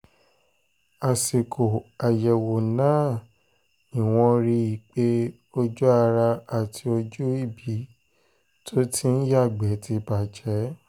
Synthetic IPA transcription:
a˨si˨kʰo˨a˨jɛ˨wo˨nãː˦˨ | ĩ˨w̃ɔ̃˧ɾi˧i˨k͡pe˦ | o˧d͡ʒu˦a˧ɾa˧a˨tʰi˧o˧d͡ʒu˦i˦˨bi˨˦ | tʰo˦tʰĩ˦n̩˦ja˦˨ɡ͡bɛ˨˦ti˧ba˨d͡ʒɛ˨˦

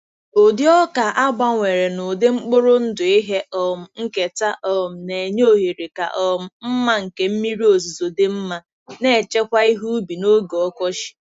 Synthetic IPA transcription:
o˨dɪ˦ɔ˦ka˨ʔa˦ɡ͡ba˦ŋʷe˨ɾe˨nʊ˨dɪ˦ŋ͡m̩˦k͡pʊ˦ɾʊ˦n̩˦dʊ˨i˦ɦe˦ʔɔ˨m̩˨ŋ̩˦ke˨ta˦ʔɔ˨m̩˨ne˨ɲ˦o˦ɦi˨ɾi˨ka̰˨ʔɔ˨m̩˨m̩˦ma˦ŋ̩˨ke˦m̩˦mi˦ɾi˦o˨zi˨zo˨dɪ˦m̩˦ma˦ | ne˦˨t͡ʃe˦kʷa˦i˦ɦu˦bi˨no˦ɡe˨ɔ˦kɔ˦ʃɪ̥˨

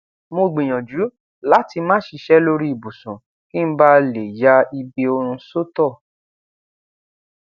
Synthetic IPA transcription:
mo˧ɡ͡bĩ˨j̃ɔ̃˨d͡ʒu˨˦ | la˨˦ti˧mã˦ʃi˧ʃɛ˦lo˧ɾi˦i˨bu˨sũ˨ | ki˦n̩˦ba˦le˨ja˦i˧be˧o˧ɾ̃ũ˧so˦tɔ˦˨

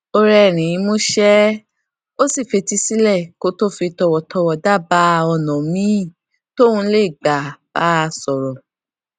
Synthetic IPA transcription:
o˧ɾɛ˧˨ɾ̃ĩ˨ĩ˧˦mo˦ʃɛ˦ | o˦si˦˨fe˧ti˧si˦lɛ˦˨ko˦to˦˨fi˧tɔ˧wɔ˨tʰɔ˧wɔ˨da˦˨ba˦ɔ˧nɔ̃˨mĩ˦˨ | to˦ũ˧˦le˦˨ɡ͡ba˨b̥a˦˧sɔ˨ɾɔ˨

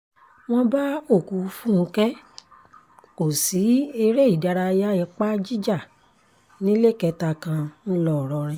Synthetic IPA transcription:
w̃ɔ̃˦ba˦o˦˨ku˨˧fũ˦˧kɛ˦ | ko˨si˨˦e˧ɾe˦i˦˨da˧ɾa˧ja˦ɛ̃˧k͡pa˦d͡ʒi˦d͡ʒa˦˨ | nĩ˦le˦˨kɛ˧ta˧kã˧nũ˦lɔ˦˨ɾɔ˧ɾ̃ĩ˧˦

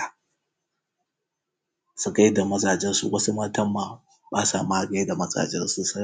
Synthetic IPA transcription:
a˨ | su˨ka˦jda˨mɐ˦zʼaː˨d͡ʒɛ˦nsṵ˨wʔɐ˦su˦mɐ˦tɐ˦mːa˨ | baː˦saː˨ma˦˨ɡa˦da˨mɐ˦za̰ː˨d͡ʒɛ˦nsu˨sɐ˦

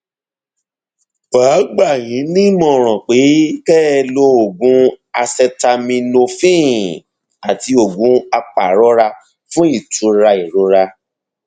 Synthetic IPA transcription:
b̥aː˨˦ɡ͡ba˦˨j̃ĩ˨˦nĩ˦mɔ̃˦˨ɾ̃ɔ̃˨k͡pe˨˦kɛː˦˧lo˧˦o˨ɡũ˨˦a˧sɛ˧ta˧mĩ˧no˧fĩ˦ | a˨ti˧o˨ɡũ˨˦a˧k͡pa˨ɾɔ˦ɾa˧ | fũ˦i˦˨tũ˨˦ɾa˧i˨ɾo˨˦ɾa˧

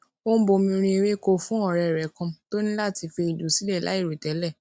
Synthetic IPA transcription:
o˦bo˧mĩ˧ɾ̃ĩ˧i˧ɾe˦ko˧fũ˦ɔ˦˨ɾɛ˧˨ɾɛ˨˦kɔ̃˧to˦nĩ˦la˦˨ti˧fe˧i˨du˨˦si˦lɛ˦˨la̰˨˦i˦˨ɾo˨tɛ˨˦lɛ˦˨

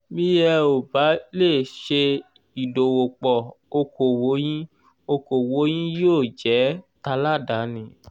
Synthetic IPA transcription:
mĩ˦jɛ˧o˨ba˨˦le˦˨ʃe˧ | i˨do˨wo˨k͡pɔ˨ | o˧ko˨wo˨˦j̃ĩ˦ | o˧ko˨wo˨˦j̃ĩ˦joː˦˨d͡ʒɛ˨˦ta˧la˦˨da˨˦nĩ˦˨

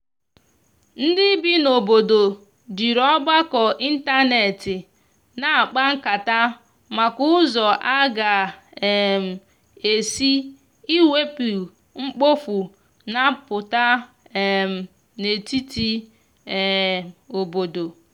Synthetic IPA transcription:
n̩˦dɪ˦bi˦no˨bo˨do˨ | d͡ʒi˨ɾɔ˦ba˦kɔ˨ʔi˦n̩˦ta˦ne˨tɪ˨ | na˨a˨k͡pa˦ŋ̩˦ka˨ta˦ | ma˨kʊ˦ʊ˦zɔ˨ʔa˦ɡa˨ | m̩˨ | e˨si˦ | i˦we˦pi˨ | ŋ͡m̩˦k͡po˦fu˨ | na˦pʊ˨ta˦˨ | m̩˨ | ne˨ti˦ti˦˨ | o˨bo˨do˨

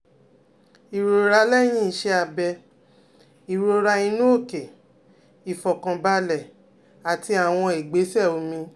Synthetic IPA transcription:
i˨ɾo˧ɾa˦lɛ˦˨j̃ĩ˦˨ʃɛ˧˦a˧bɛ˧ | i˨ɾo˧ɾa˧˦i˧nũ˦o˦˨ke˨ | i˨fɔ˨kã˨ba˧lɛ˨ | a˨ti˧a˨w̃ɔ̃˧i˨ɡ͡be˨˦sɛ˦˨o˨˧mĩ˧

